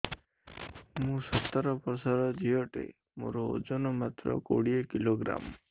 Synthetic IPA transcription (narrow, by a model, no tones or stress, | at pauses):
mũsɔt̪ːəɾɔpɔɾsaɾɔd͡ʒ̪ʱijɔʈḛ | mo̰ɾɔo̰d͡ʒɔnɔmat̪ɾɔ̰ko̰ɽijekiloɡɾa̰m